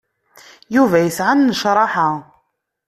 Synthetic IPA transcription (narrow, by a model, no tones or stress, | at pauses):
juvæjəsʕanːəʃɾˤɑħa